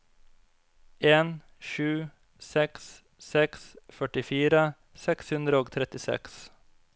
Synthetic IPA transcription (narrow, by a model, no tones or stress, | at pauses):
ʔeːn | ʃʉː | sɛks | sɛksfœʈɪfiːɾə | sɛkshʉnd̪ɾəoːɡt̪ʰɾɛt̪ɪsɛ̰ks